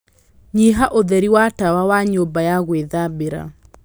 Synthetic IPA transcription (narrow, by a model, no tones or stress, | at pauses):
ɲiɦaʔoðɛɾiwatawawaɲoːmbajaɣweðabeɾa̰